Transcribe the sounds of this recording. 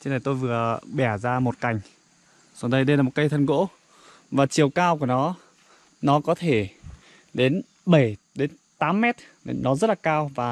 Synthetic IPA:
t͡ɕnə˨˩jt̪o˧jvɨ˨˩əɓɛ˧˩zaː˧mo˨˩t̚ka˨˩jŋ̟ | za˨˩ɗə˧jɗə˧jlaː˨˩mo˨˩t̚kə˧jt̪ʰə˧nɣo̰˧˥ | vaː˨˩t͡ɕi˨˩əwkaː˧wku˧˩ənɔ˨˦ | nɔ˨˦kɔ˨˦t̪ʰe˧˩ | ɗe˨˦n | ɓə˧˩jɗe˨˦n | t̪aː˨˦mːɛ˦˥t̚ | ɗe˨nɔ˨˦zə˦˥t̚laː˨˩kaː˧wvaː˨˩

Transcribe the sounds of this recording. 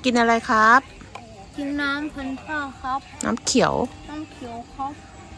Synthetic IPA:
ki˧nʔa˧ɾa˧jkʰɾa˦˥p̚ | ki˧nːaː˦˥mpʰɯ˧˥nt̪ʰaː˥˩kʰa˦˥p̚nʔa̰ː˦˥mkʰi˨˩˦ə̰˦wnaː˦˥˩mkʰi˨˩ə˦wkʰa˦˥p̚

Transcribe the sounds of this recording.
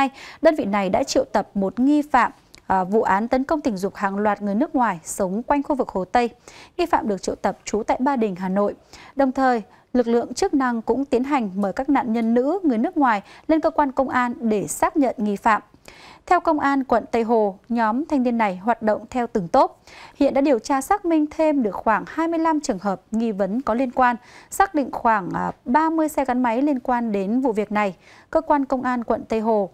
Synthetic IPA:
jɗəː˧nvḭ˧˨na˨˩jɗa̰ː˧˥t͡ɕḭ˧˨əwt̪ə˨˩p̚mo˨˩t̚ŋi˧fa̰ː˧˨m | vṵ˧˨ʔaː˨˦nt̪ə˨˦nkə˧wŋ͡mt̪ï̟˨˩zʊ˨˩k͡p̚haː˨˩ŋlwaː˨˩t̚ŋɨ˨˩əjnɨ˦˥ək̚ŋwaː˨˩jsə˨˦wŋ͡mkwa˧jŋ̟xu˧vɨ˨˩k̚ho˨˩t̪ə˧jŋi˧fa̰ː˧˨mɗɨ˨˩ək̚t͡ɕḭ˧˨ə˨wt̪ə˨˩p̚t͡ɕu˨˦t̪a̰ː˧˨jɓaː˧ɗï˨˩ŋ̟ɦaː˨˩no̰˧˨jɗə˨˩wŋ͡mt̪ʰəː˨˩j | lɨ˨˩k̚lɨ̰˧˨əŋt͡ɕɨ˦˥k̚na˧ŋkʊ̰˧˥ŋ͡mt̪i˨˦ənɦa˨˩jŋ̟məː˧˩jkaː˦˥k̚na̰ː˧˨nɲə˧nːɨ̰˧˥ŋɨ˨˩əjnɨ˦˥k̚ŋwaː˨˩jle˧nkəː˧kwaː˧nkə˧wŋ͡mʔaː˧nɗe˧˩saː˦˥k̚ɲə̰˧˨nŋi˧fa̰ː˧˨m | t̪ʰɛ˧wkə˧wŋ͡mʔaː˧nkwə̰˧˨nt̪ə˧jɦo˧˨˩ɲɔ˨˦mt̪ʰa˧jŋ̟t̪i˧ənːa˨˩jɦwaː˨˩t̚ɗo̰˧˨wŋ͡mt̪ʰɛ˧wt̪ɨ˨˩ŋt̪o˦˥t̚hḭ˧˨nɗa̰˧˥ɗi˨˩əwt͡ɕaː˧saː˦˥k̚mï˧ŋ̟t̪ʰe˧mɗɨ˨˩ək̚xwaː˧˩ŋhaː˧jmɨ˧əjla˧mt͡ɕɨ˨˩əŋɦəː˨˩p̚ŋi˧və˨˦nkɔ˨˦li˧ənkwaː˧nsaː˦˥k̚ɗḭ̈˧˨ŋ̟xwaː˧˩ŋɓaː˧mɨ˧əjsɛ˧ɣa˨˦nma˨˦jli˧ənkwaː˧nɗe˨˦nvṵ˧˨vi˨˩ək̚na˨˩j | kəː˧kwaː˧nkə˧wŋ͡mʔaː˧nkwə̰˧˨nt̪ə˧jɦo˨˩

